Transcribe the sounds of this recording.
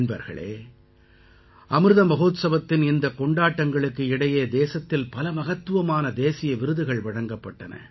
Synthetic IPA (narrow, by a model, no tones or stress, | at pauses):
nbɐ̰ɾɣɐ̰ɭḛː | ʔɐmɾɯðɐmɐɣoːt̪sɐʋɐt̪ːɪnɪnd̪ɐkɔɳɖaːʈːɐŋɡɐɭɯkːɯɪɽɐjeːd̪eːsɐt̪ːɪlpɐlɐmɐɣɐt̪ːɯʋɐmaːnɐd̪eːsɪjɐʋɪɾɯðɯɣɐɭʋɐɻɐŋɡɐpːɐʈːɐnɐ̰